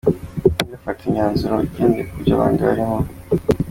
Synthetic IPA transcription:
dafatʰiɲaːnzuɾoiceːndekuɾɟa̰βa̰ːnɡia̰ɾimo

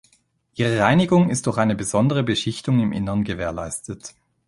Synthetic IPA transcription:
ʔiːʁ̞əʁaɪnɪɡʊŋɪst̚d̥ʊɐxaɪnəbəzɔndəʁ̞əbəʃɪçtʊŋɪmʔɪ̰nəʁnɡəveːɐla̰ɪstət

